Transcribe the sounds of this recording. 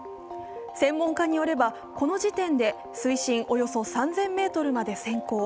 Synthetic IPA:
sẽ̞mːõ̞ŋkaɲ̟ijo̞ɾe̞ba | ko̞no̞ʑit̪ẽ̞nd̪e̞ | sɨiɕĩɰʔo̞jo̞so̞sãnzẽ̞mːe̞ːt̪o̞ɾɯ̟mad̪e̞sẽ̞ŋko̞ː

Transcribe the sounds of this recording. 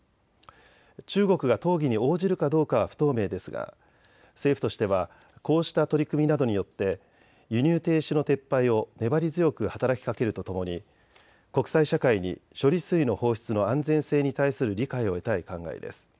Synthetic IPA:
t͡ɕɨːɡo̞kɯ̟ɡat̪o̞ːɡʲiɲ̟io̞ːʑiɾɯ̟kad̪o̞ːkaβaɸɯ̟̥t̪o̞ːme̞ːd̪e̞sɨɡa̰ | se̞ːɸɯ̟̥t̪o̞ɕi̥t̪e̞βa | ko̞ːɕi̥t̪at̪o̞ɾʲikɯ̟mʲinad̪o̞ɲ̟ijo̞t̪ːe̞ | jɯ̟ɲ̟ɨːt̪e̞ːɕino̞t̪e̞pːaio̞ne̞baɾʲizɨjo̞kɯ̟hat̪aɾakʲi̥kake̞ɾɯ̟t̪o̞t̪o̞mo̞ɲi | ko̞kɯ̟̥saiɕakaiɲ̟ḭɕo̞ɾʲisɨino̞ho̞ːçi̥t͡sɨno̞ãnd͡zẽ̞ɰ̃se̞ːɲ̟it̪aisɨɾɯ̟ɾʲikaio̞e̞t̪aikãŋɡa̰ḭd̪e̞̰sɨ̥

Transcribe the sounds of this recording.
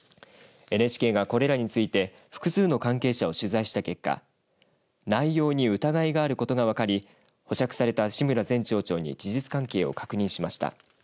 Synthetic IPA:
e̞neɕi̥ke̞ːɡako̞ɾe̞ɾaɲ̟it͡sɨit̪e̞ | ɸɯ̥kɯ̟sɨːno̞kãŋke̞ːɕao̞ɕɨzaiɕi̥t̪ake̞kːa̰ | naijo̞ːɲ̟iɯ̟t̪aɡaiɡaːɾɯ̟ko̞t̪oɡaβ̞akaɾʲi | ho̞ɕakɯ̟̥saɾe̞t̪aɕimɯ̟ɾazẽ̞ɲt͡ɕo̞ːt͡ɕo̞ːɲ̟ḭd͡ʑiʑit͡sɨ̥kãŋke̞ːo̞̰kḁkɯ̟ɲ̟ĩɕimaɕi̥t̪a̰

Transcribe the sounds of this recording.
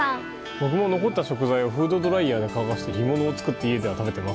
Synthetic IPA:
bo̞k̬ɯ̟mo̞no̞ko̞t̪ːaɕo̞kɯ̟zaio̞ɸɯ̟ːd̪o̞d̪o̞ɾaiaːd̪e̞kaβakaɕi̥t̪eçimo̞no̞ːt͡sɨ̥kɯ̟t̪ːeie̞d̪e̞β̞at̪abe̞t̪e̞mas

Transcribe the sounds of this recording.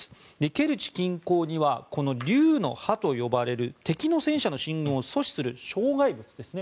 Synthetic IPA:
d̪e̞ke̞ɾɯ̟t͡ɕi̥kʲĩŋko̞ːɲ̟iβako̞no̞ɾʲɨːno̞hat̪o̞jo̞baɾe̞ɾɯ̟t̪e̞kʲino̞sẽ̞ɰ̃ɕano̞ɕĩŋɡɯ̃oso̞ɕi̥sɨɾɯ̟ɕo̞ːɡaibɯ̟t͡sɨd̪e̞sɨne̞

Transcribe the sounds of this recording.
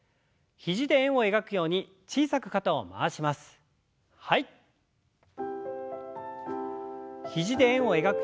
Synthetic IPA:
çiʑid̪e̞ẽɰ̃o̞e̞ɡakɯ̟jo̞ːɲ̟i | t͡ɕiːsakɯ̟̥kat̪ao̞ma̰ːɕimasɨ̥ | hai | çiʑid̪e̞ẽɰ̃o̞e̞ɡakɯ

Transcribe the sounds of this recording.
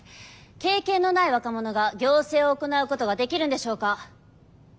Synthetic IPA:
ke̞ːkẽ̞nːo̞naiβakamo̞no̞ɡaɡʲo̞ːse̞ːo̞ːko̞naɯ̟ko̞t̪o̞ɡad̪e̞kʲiɾɯ̟nd̪e̞ɕo̞ːka

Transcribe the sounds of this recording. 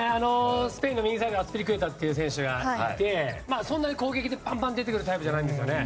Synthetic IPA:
ano̞sɨ̥pe̞ĩnːomʲĩɲisaid̪eat͡sɨ̥piɾʲikɯ̟e̞t̪at̪ːe̞jɯ̟ːs̬ẽ̞ɰ̃ɕɨɡait̪e̞maːsõnːaɲiko̞ːɡe̞kʲid̪e̞pãmpãnd̪e̞t̪e̞kɯ̟ɾɯ̟t̪aipɯ̟ʑanaĩndes̬ɨjo̞̰ne

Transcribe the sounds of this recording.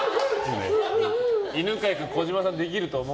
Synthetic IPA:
sɨnḛ | inɯkajakɯkoʑimasãnd̪e̞k̬ʲiɾɯ̟t̪oːmo

